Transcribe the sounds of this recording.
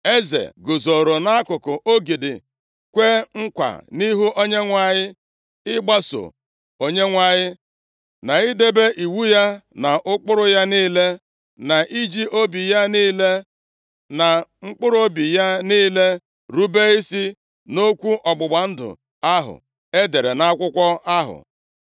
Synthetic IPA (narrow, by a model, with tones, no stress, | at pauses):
e˦zḛ˨ɡʊ˨zo˨ɾo˨na˦a˦kʊ˨kʊ˨ʔo˦ɡi˨dɪ̰˨ | kʷe˦ŋ̩˦kʷa̰˨ni˦ɦu˦ʔo˦ɲe˦ŋʷa˨ɲɪ˦ | ɪ˦ɡ͡ba˦so̰˨ | o˨ɲe˦ŋʷa˨ɲɪ˦ | na˨ɪ˦de˦be˦ʔi˨wu˦ja˦na˨ʔʊ˦k͡pʊ˦ɾʊ˦ja˦niː˦le˦ | na˨ʔi˦d͡ʒi˦ʔo˦bi˨ja˦niː˦le˦ | na˨ŋ͡m̩˦k͡pʊ˦ɾo˦bi˨ja˦niː˦le˦ | ɾu˦be˦i˦si˦ | no˦kʷu˦ʔɔ˨ɡ͡bʊ˨ɡ͡ba˨n̩˦dʊ̰˨ | a˦ɦʊ̰˨ | e˦de˨ɾe˨na˦a˦kʷʊ˦kʷɔ˦a˦ɦʊ̰˨